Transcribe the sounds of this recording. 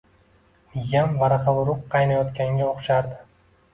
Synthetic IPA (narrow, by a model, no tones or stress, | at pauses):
jamvaɾɑqɑbɾʊqʰːɑjnajɒt̪kʲaŋɡʲaoχʃaɾd̪ɪ